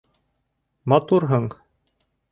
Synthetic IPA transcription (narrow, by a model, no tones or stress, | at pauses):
mɑt̪uɾɦɤɴ